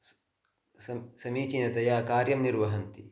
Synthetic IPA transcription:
sɐsɐmiːt͡ʃinɐt̪ɐjaːkaːɾjɐmniɾʋɐɦɐnt̪i

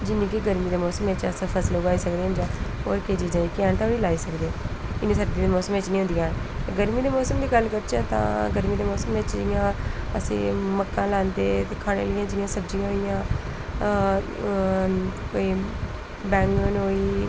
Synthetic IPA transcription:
d͡ʒɪnːĩːkɪɡəɾmiːd̪eːmɔːsəmeːt͡ʃasəpʰəsloːɡaːiːsəkd̪eːənd͡ʒãːo̰ːɾkeːd͡ʒiːd͡ʒãːiːkɪɛ̃ːnt̪ʰoːɽiːlaːiːsəkd̪eːɪnːĩːsəɾd̪iːd̪eːmɔːsəmeːt͡ʃnĩɦʊ̃nd̪ijãːt̪ːɡəɾmiːd̪eːmɔːsəmd̪iːɡəlkəɾt͡ʃãːt̪ã̰ːɡəɾmiːd̪eːmɔːsəmeːt͡ʃijãːəsḭ̃ːməkːãːlaːnd̪eːt̪eːkʰaːɽḛːləjãːd͡ʒɪjãːsəbd͡ʒijãːɦijãː | koːiː | bɛːŋɡoːnoːiː

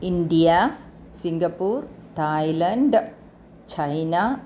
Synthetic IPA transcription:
ind̪ija | siŋɡɐpːuːrt̪aːjlɐɳɖ | t͡ɕʰɐjna

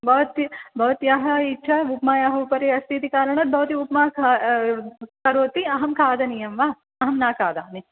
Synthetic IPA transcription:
bɐʋɐt̪ibʱɐʋɐt̪jaɦɐitːt͡ʃʰɐupmaːjaːɦɐpɐɾeːɐst̪ʰit̪ikaːɾɐɳɐt̪̚bʱɐʋt̪iupmaː | kɐɾoːt̪iɐɦɐmkʰaːd̪ɐnijɐmʋaː | ɐɦɐmnaːkʰaːd̪aːni

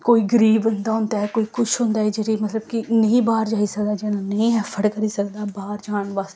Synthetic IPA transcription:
koːiɡəɾiːbʊnd̪aːɦʊ̃nd̪aːɦɛːkoːiːkʊʃɦõːnd̪aːɦɛːd͡ʒeːɾiːmət̪ləbkɪnə̃ĩːbaːɾd͡ʒaːiːsəkd̪aːd͡ʒeːnãːnəĩːɦɛːpʰəɽkəɾiːsəkd̪aːbaːɾd͡ʒaːnʋaːst̪ː

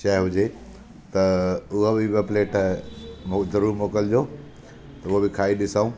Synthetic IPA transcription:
ʃɐɦɪɦʊd͡ʑe | t̪ɐʊɦabɪbɐpleːʈ | mod̪ɐɾumoːkəld͡ʑoː | t̪ɐʊɦobɪkʰaːiɗɪsaũ

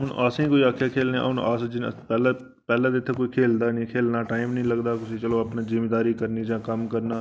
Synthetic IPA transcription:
ɦʊnʔaːsĩːkoːiːaːkʰjaːkʰeːlnẽa̰ʊnaːsd͡ʒɪn̰pɛːla | pɛːlãːd̪eɪt̪ʰːeːkoːikʰeːld̪aːnĩːkʰeːlnaːʈaːɪmnəĩːləɡd̪aːkʊsiːt͡ʃəloːapnaːzɪmeːd̪aːɾiːkəɾniːd͡ʒãːkəmkəɾnaː

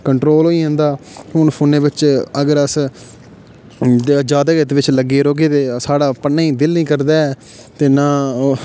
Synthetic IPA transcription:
kəɳʈɾoːlɦoːiːɦə̃nd̪aːɦʊnpʰʊːnẽːbɪt͡ʃəɡəɾəs | d͡ʒaːd̪aːɡɪt̪ʋɪt͡ʃləɡeːɾoːɡeːt̪eːsaːɽaːpənːaːiːd̪ɪlnĩːkəɾd̪aːɛː | t̪eːnãː

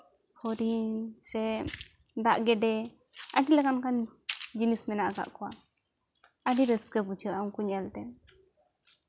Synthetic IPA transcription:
hɔɾinnsɛ | d̪aʔɡɛɖɛ | aɖilɛkankaɲd͡ʒinismɛnaʔaka̰ʔkɔwa | aɖiɾəskəput͡ʃʰəʔaŋkuɲɛlt̪ɛ

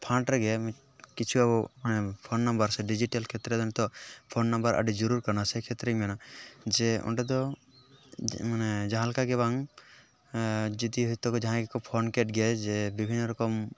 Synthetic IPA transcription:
pʰãɳʈɾɛɡɛm | kit͡ʃʰuabɔmanɛpʰonːɔmbəɾsɛɖid͡ʒiʈalkʰet̪ɾɛd̪ant̪ɔpʰonːɔmbəɾʔa̰ɖid͡ʒɔɾuɾkɔɾnasɛkʰet̪ɾɛmɛnad͡ʒeɔ̰ɳʈed̪ɔ | manɛd͡ʒãɦãlkaɡɛβaŋ | d͡ʒɔd̪iɦɔjt̪ɔkɔd͡ʒãɦãkekɔpʰonkeʈɡɛd͡ʒebibʱinːɔɾɔkɔm

